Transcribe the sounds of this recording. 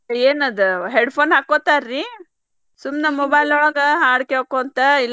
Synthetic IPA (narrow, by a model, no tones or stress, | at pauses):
eːnɐd̪uɦeɖpʰoːnɦaːkːot̪aɾːi | sumnɐmɔbajlɔɭaːɡɐɦaːɽkeɦoːkoɐnt̪ɐilː